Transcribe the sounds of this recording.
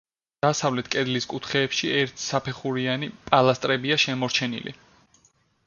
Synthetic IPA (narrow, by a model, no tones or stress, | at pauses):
d̪̥asavlɛt̪ʰkʼɛd̪liskʼut̪ʰχɛːpʃiɛɾt̪ʰsapʰɛχuɾianipʼalˠast̪ʼɾɛbiaʃɛmɔɾt͡ʃʰɛnḭlḭ